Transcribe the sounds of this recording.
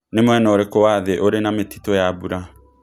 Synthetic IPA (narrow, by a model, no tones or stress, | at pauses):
nemwɛnɔoɾekowaːðeʔoɾenameti̥tojabuɾa